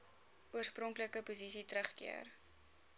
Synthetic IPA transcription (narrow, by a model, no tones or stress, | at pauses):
uərsprɔŋkləkəpuzisitɾəχkḭər